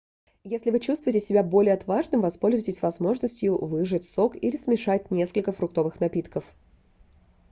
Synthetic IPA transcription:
jesʲlʲɪvɨt͡ɕust̪vʊjɪtʲɪsʲɪbʲabo̞lʲɪjəɐt̪vaʐnɨmvɐspo̞lʲzʊjtʲɪsʲvɐzmo̞ʐnəsʲtʲjʊvɨʐɨtʲso̞kilʲɪsmʲɪʂat̚ʲnʲe̞skəlʲkəfɾʊk̚t̪o̞vɨxnɐpʲit̪kəf

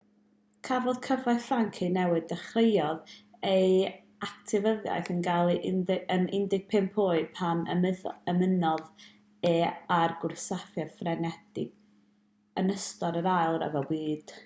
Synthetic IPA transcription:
kʰavɔðkʰəvafaŋkʰinɛwɨddɛχrejɔðej | ak̚tʰɪvəðja̰jθənɡalˠiʔnənɪndɪɡ̥̚pʰeːmpʰuːɨpʰanə̰məðəmənɔð | ɛarɡʊrsafjafrɛnɛd̥ɪ̰ɡ | ənəstɔɾəɾajlˠrɛ̰vɔwiːd̥

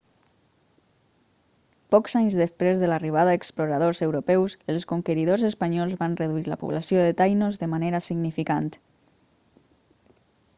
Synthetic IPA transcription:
pɔkzaɲzðəspɾezðəlariβ̞aðaeksploɾað̞ozəwɾupɛwsəlˠskoŋkəɾiðozəspaɲɔlˠzβanrəðuiɾlə̰pṵβlasioðət̪ajnozðəmaneɾasiɡnifikant̪

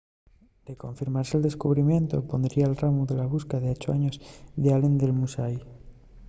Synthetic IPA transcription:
d̪̥eko̞ɱfiɾmaɾseld̪e̞skuβɾimjẽ̞nt̪opo̞nd̪ɾiaːlramuðe̞laβ̞uskaðeot͡ʃoaɲozðealend̪e̞lmusaj

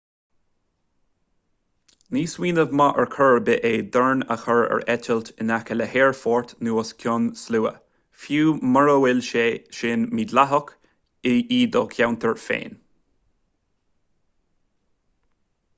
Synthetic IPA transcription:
niːswiːnəvmɑʔəɹkʰəɹbɪʔeːd̪əɹnəxəɹɛ̰ɹɛt̪ʰəlt̪ɪnakələheːɹfɔːɹt̪nuːɔskʰjɔnsluːə̰ | fjuːməɹəwɪlʃeːʃɪnmid̪laɦək | ɪʔiːd̪ɔkʰjawnt̪ʰəɹfḛːn

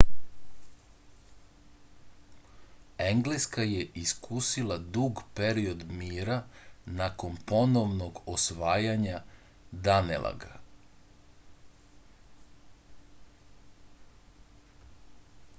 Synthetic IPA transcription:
eŋɡleskajeʔiskusilˠad̪uɡpeɾiod̪miːɾanako̞npo̞noʋnoɡosʋaːjaɲa | d̪anḛlˠʔa̰ɡa̰

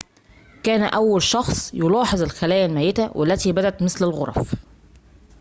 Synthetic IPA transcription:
kæːnʔæwːælʃɑxsˤjolɑːħezˤɪlxælæːjælmæːjet̪æwʔæ̰lːæt̪iːbæd̪æt̪mɪθlɪlɣoɾˤɑ̰f

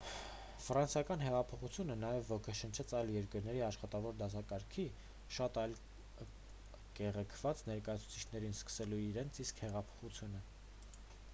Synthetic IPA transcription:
fɾɑnsjɑkɑn̪ɦɛʁɑpʰɔχut͡sʰjunənɑjɛvːɔkʰəʃənt͡ʃʰɛt͡sʰɑjljɛɾkəɾnɛɾiɑʃχɑt̪ɑvɔɾd̪ɑs̬ɑkɑɾkʰi | ʃɑt̪ɑjl | kɛʁɛkʰv̥ɑt͡snɛɾkɑjɑt͡sʰu̥t͡sʰi̥t͡ʃʰnɛɾinskə̥sɛluiɾɛnt͡sʰiskhɛʁɑpʰɔ̥χut͡sʰjunə

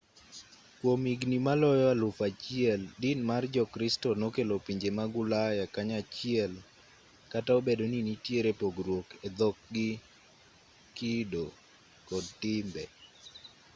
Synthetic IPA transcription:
kwomiɡnimalɔjɔalʊfat͡ʃɪɛldɪnmard͡ʒɔkɾistɔnokelopiɲd͡ʒemaɡʊlajakaɲat͡ʃɪɛl | kataobedoninitjeɾepoɡrwoked̪ɔk̚ɡɪ | kido | kɔd̚tɪmbɛ̰

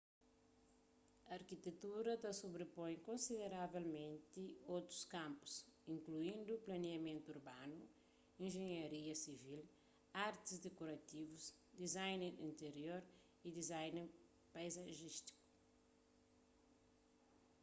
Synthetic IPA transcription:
ɐːɾkit̪et̪uɾɐt̪ɐsubɾepõj̃kõnsiðeɾavelmẽnt̪iowt̪ɾu̥skãmpu̥sĩŋkluĩnd̪uplɐniɐmẽnt̪uɾbanu | ĩʒeɲɐɾiɐsivil | aɾt̪izd̪ekoɾɐt̪ivuz | d̪izajneɾḭ̃nt̪eɾjoɾ | id̪izajne | pajzɐʒiʃt̪i̥ku̥

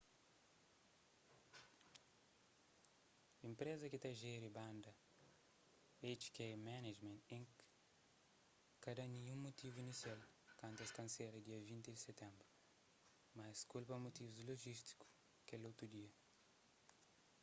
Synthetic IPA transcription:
ĩmpɾezɐket̪aʒeɾibãnd̪ɐ | et͡ʃkemaned͡ʒmẽnt̪ĩŋk | kɐd̪ɐnĩɲũŋmut̪ivuinisjalkãnt̪ɐst̪ɐ̃nseɾɐd̪iɐvĩnt̪idɪset̪ɛ̃mbɾu | maskulpɐmut̪ivuzdloʒist̪i̥ku̥ | kelowt̪ɾud̪iɐ

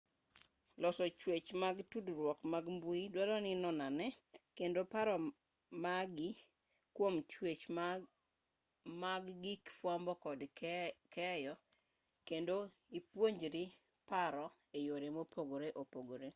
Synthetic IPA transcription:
lɔsɔt͡ʃwet͡ʃmaɡtudɾwɔkmaɡmbuidwalɔnɪnɔnanɛkendopaɾɔ | maɡi | kwomt͡ʃwet͡ʃ | maɡːikfwambɔkɔdkɛjɔ | kendoipwoɲd͡ʒɾi | paɾɔ | ejoɾemopoɡoɾeʔopoɡoɾe

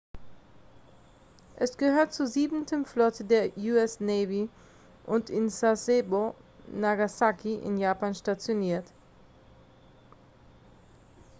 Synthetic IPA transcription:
ʔɛsɡ̥əhøːɐt̚t͡suːziːbn̩tʰəmflɔtʰədeːɐjuːɛsnɛːvi | ʔʊntɪnsasebonaɡasakʰiʔɪ̰njaːpanʃtat͡sjoniːɐt

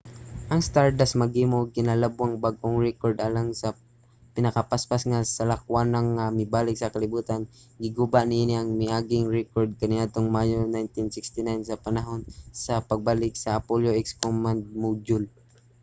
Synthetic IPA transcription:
ʔɐŋst̪aɹd̪asmɐɡimokɪnalabwaŋbaɡ̚ʔoŋɹɛkoɹd̪ʔalamsɐ | pɪnɐkɐpaspasŋasɐlak̚wanaŋːamɪbaːlɪk̚sɐkɐlɪbuːt̪an | ɡɪɡubaʔnɪʔiːnɪʔɐŋmɪʔaːɡɪŋɹɛkoɹd̪̚kɐnɪad̪̚t̪oŋmajonajnt̪ɪnsɪkst̪ɪnajnsɐpɐnaɦonsɐpɐɡ̚balɪk̚sɐːpoljoʔɛkskomand̪̚mud͡ʒʊl

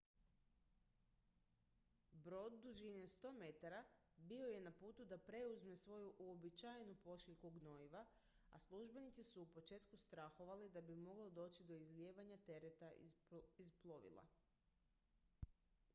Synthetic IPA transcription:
bɾo̞d̪ːuʒinest̪o̞ːme̞t̪aɾa | bio̞je̞napuːt̪ud̪apɾe̞uzme̞sʋo̞juʔuobit͡ʃajenupo̞ʃiʎkuɡno̞iʋa | a̰slˠuʒbe̞nit̪sisuːpo̞t͡ʃe̞ːt̪kust̪ɾaxoʋalid̪abimo̞ɡlˠod̪o̞ːt͡ɕt͡ʃid̪o̞izlʲjeːʋaɲat̪e̞ɾet̪aizplˠoʋḭlˠa̰

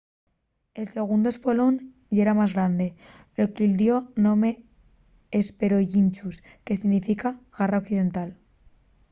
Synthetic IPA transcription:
e̞lse̞ɣ̞und̪oe̞spolon | ɟ͡ʝeɾamazɣɾand̪e̞ | lokild̪jo̞nome̞ː | spe̞ɾo̞ʝint͡ʃus | ke̞siɣnifikaɣaraokθiðe̞nt̪al

